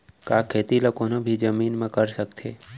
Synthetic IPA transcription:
kaːkʰeːt̪ilokoːnobʱid͡ʒəmiːnmãkəɾsəkt̪ʰḛ

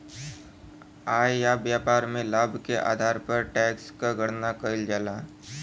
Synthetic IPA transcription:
aːjjabjaːpaːɾmẽlaːbʱkeʔa̰ːd̪ʱaːɾpəɾʈɛːkskaɡəɽnakəɪld͡ʒaːla

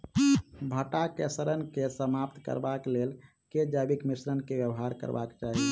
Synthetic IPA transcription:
bʱəʈakḛsɾənkesəmap̚t̪kə̰ɾbaklel | ked͡ʒabikmisɾənkebjəbɦaɾkə̰ɾba̰kt͡ʃaɦi

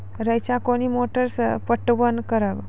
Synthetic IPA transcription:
ɾəjt͡ʃakonimoʈəɾspəʈːbənkəɾəʋ

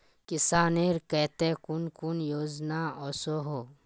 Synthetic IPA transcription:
kɪsaːneɾkɛt̪ekʊnkunjoːd͡ʒnaɔːsoɦoː

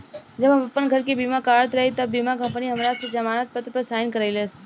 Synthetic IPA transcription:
d͡ʒɐbɦɐmɐpːənɡʱɐɾkebiːmakaːɾət̪ɾɐɦit̪ɐbːiːmakɐ̃mpniɦɐmɾaːsed͡ʒɐmaːnat̪̚pət̪ɾəpəɾsaːɪnkəɾaɪleːs

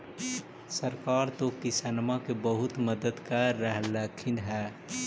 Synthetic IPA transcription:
səɾkaːɾt̪okɪsənmakebəɦʊt̪məd̪əd̪kaːɛɦləkʰɪ̃nɦɛː

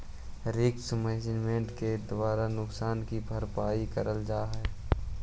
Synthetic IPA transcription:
ɾɪksmɛːnɪd͡ʒmẽɳʈked̪waːɾanʊksaːnkibʱɐɾpaːikəɾəld͡ʒaːɦɛː

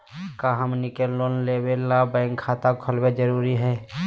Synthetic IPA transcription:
kaɦəmnɪkelloːnleːwelːabɛ̃ːŋkʰːaːt̪akʰəlbed͡ʒəɾuːɾiɦɛː

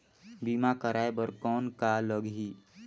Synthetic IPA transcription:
bimakəɾaːebəɾkɔːnkaləɡɦi

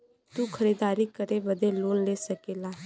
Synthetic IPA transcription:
t̪uːkʰəɾiːd̪aːɾiːkəɾeʋəd̪eloːnleːsəkeːlaː

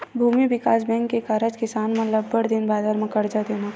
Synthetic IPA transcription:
bʱuːmiʋɪkaːsbɛ̃ːŋkːekaɾəd͡ʒkɪsaːnmɐt̪ləbːəɽd̪ɪnbaːd̪aɾmẽkɐɽd͡ʒad̪ena

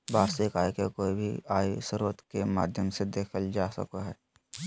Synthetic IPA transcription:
baːɾsekaːjkekoːibʱḭaːisəɾuːɾət̪kema̰ːd̪ʱjəmsed̪eːkʰəld͡ʒaːsə̰koɦɛː

